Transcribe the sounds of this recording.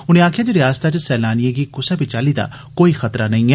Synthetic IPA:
ʊñẽːaːkʰɪjaːd͡ʒ̪iːɾɪjaːst̪at͡ʃsɛːlaːnijeɡikʊsaːbit͡ʃalid̪a̰ː | koːixɐt̪ɾanɐĩɛː

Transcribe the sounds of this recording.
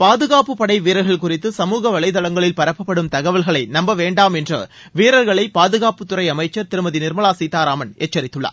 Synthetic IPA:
paːðɯɣaːpɯpːɐɽɐɪʋiːɾɐɣɐɭkʊrɪt̪ːɯsɐmuːɣɐʋɐɭɐɪðɐɭɐŋɡɐɭɪlpɐɾɐpːɐpːɐɽɯmt̪ɐɣɐʋɐlɣɐɭɐɪnɐmbɐʋeːɳɖaːmɛndrɐ̰ | ʋiːɾɐɾɣɐɭɐɪpaːðɯɣaːpɯt̪ːʊrɐɪɐmɐɪt͡ʃːɐɾt̪ɪɾɯmɐðinɪɾmɐɭaːsiːt̪aːɾaːmɐnḛːt͡ʃːɐɾɪt̪ːɯɭːɐ̰

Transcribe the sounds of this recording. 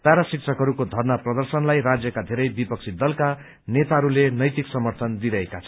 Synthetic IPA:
paɾasik̚t͡sʰʌkɦʌɾukod̪ʱʌrnaprʌd̪ʌrsʌnlajrad͡zjʌkad̪ʱeɾʌjbipʌk̚t͡sʰid̪ʌlka | net̪aɦʌɾulenʌjt̪iksʌmʌrt̪ʰʌnd̪iɾʌekat͡sʰʌ

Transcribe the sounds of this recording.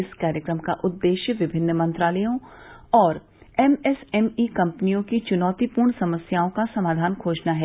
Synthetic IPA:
ɪskaːɾjəkɾəmkaʔʊd̪ːeːʃjəʋɪbʱɪnːmɐ̃nt̪ɾaːləjõɔːɾ | ɛmɛsɛmiːkɐ̃mpnijõkit͡ʃʊnɔːt̪ipuːɾɳsɐməsjaːõkasɐmaːd̪ʱaːnkʰoːd͡ʒnaɦɛː

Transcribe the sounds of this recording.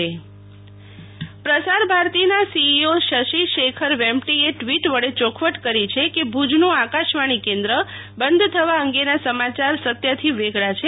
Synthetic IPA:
e | pɾəsaɾbʱaɾt̪inasiːoʃəʃiʃekʰəɾʋɛ̃mʈieʈʋiʈʋəɭet͡ʃokʰʋəʈkəɾit͡ʃʰekebʱud͡ʒnũakaʃʋaɽ̃ikẽnd̪ɾə | bənd̪ʱt̪ʰəʋaəŋɡenasəmat͡ʃaɾsət̪jət̪ʰiʋeɡʱɭat͡ʃʰe

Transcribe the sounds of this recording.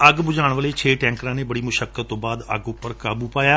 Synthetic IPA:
əɡbʊd͡ʒaːɳ̃ʋəleːt͡ʃʰeːʈɛ̃ːŋkɾãːneːbəɽiːmʊʃəkːət̪ːõːbaːd̪ə̰ɡʊpːəɾkaːbuːpaːjaː

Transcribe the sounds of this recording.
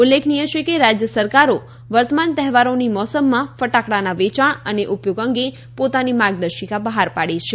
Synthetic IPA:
ulːekʰnijət͡ʃʰekeɾad͡ʒjəsəɾkaɾo | ʋəɾt̪əmant̪ɛɦɛʋaɾonimɔsəmːãfəʈakɽanaʋet͡ʃaɳəneʔupjoɡəŋɡe | pot̪animaɡnəʃikabəɦaɾpaɽit͡ʃʰe

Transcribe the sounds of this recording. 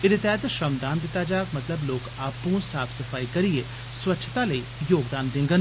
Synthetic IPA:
ɪd̪eːt̪ɛːt̪ʃɾəmd̪aːnd̪ɪt̪ːaːd͡ʒaːkmət̪ləbloːkaːpũːsaːpʰsəpʰaːiːkəɾɪeː | swətːʃʰt̪aːləiːjoːɡd̪aːnd̪ɪ̃ŋɡən

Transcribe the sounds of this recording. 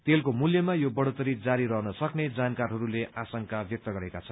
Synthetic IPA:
t̪elkomuljʌmajobʌɽot̪ʌɾid͡zaɾiɾʌɦnʌsʌkned͡zankarɦʌɾuleʔasʌŋkabjʌk̚t̪ʌɡʌɾekat͡sʰʌnn

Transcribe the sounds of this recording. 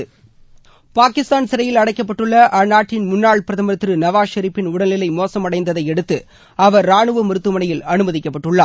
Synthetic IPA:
paːkɪst̪aːnsɪɾɐjɪlɐɽɐɪkːɐp̬ːɐʈːɯɭːɐʔɐnaːʈːɪnmʊnːaːɭpɪɾɐðɐmɐɾt̪ːrɯnɐʋaːʃɐɾɪpːɪnʊɽɐlɪlɐɪmoːsɐmɐɽɐɪnd̪ɐðɐɪɛɽɯt̪ːɯ | ɐʋɐɾːaːɳɯʋɐmʊɾɯt̪ːɯmɐɳɐjɪlɐnɯmɐðɪkːɐpːɐʈːɯɭːaː

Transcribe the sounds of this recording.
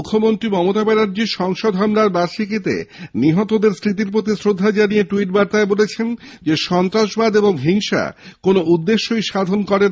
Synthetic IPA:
ukʰːomont̪ɾimɔmot̪abɛnaɾd͡ʑiʃɔŋʃod̪ʱɦamɾaɾbaʃikit̪ḛniɦɔt̪od̪eɾsɾit̪̬iɾp̬ɾot̪̬isɾod̪ʱːad͡ʑanieʈuiʈ̚baɾt̪aebolet͡ɕʰend͡ʑeʃɔnt̪ɾaʃbad̪eboŋɦiŋʃa̰konoud̪ːeʃːojʃad̪ʱonkɔɾe

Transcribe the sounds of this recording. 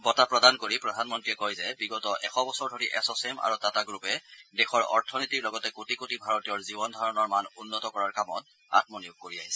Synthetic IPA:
bɔtapɹɔdankoɹipɹɔdʱanmɔntɹiɛkɔjzɛbiɡɔtɔʔɛ̰xɔbɔsɔɹdʱoɹiʔɛsɔsemʔa̰ɹutataɡɹupɛdɛxɔɹɔ̰ɹtʰɔnitiɹlɔɡɔtɛkotikotibʱaɹɔtijɔɹzibɔndʱaɹɔnɔɹmanunːɔtɔkɔɹaɹkamɔ̰t̚ | a̰tmɔnijuɡ̚koɹiaɦisɛ

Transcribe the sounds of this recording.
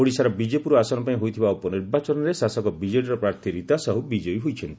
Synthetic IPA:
oɽisaɾɔbid͡ʒepuɾɔasɔnɔpaĩɦojt̪ʰibaupɔniɾbat͡ʃɔnɔɾesasɔkɔbid͡ʒeʈɔɾɔpɾaɾt̪ʰiɾit̪asɔɦubid͡ʒɔjɦojt͡ʃʰɔnt̪i̥

